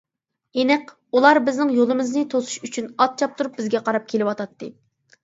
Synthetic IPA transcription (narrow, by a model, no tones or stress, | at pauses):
enɪq | ulˠɑɾbɪznɪŋjolˠɨmɨznɨt̪ʰosu̥ʃyt͡ʃʰynɑt̪̚t͡ʃʰɑp̚t̪ʰuɾup̚bɪzɡʲɛqʰɑɾɑp̚kʲʰelɪwɑt̪ʰɑt̪ːɨ